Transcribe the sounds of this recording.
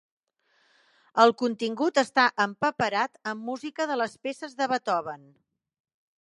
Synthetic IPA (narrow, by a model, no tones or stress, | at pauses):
əlˠkunt̪iŋɡut̪əst̪aʔəmpəpəɾat̪əmːuzikəðələspesəzðəβət̪ɔβən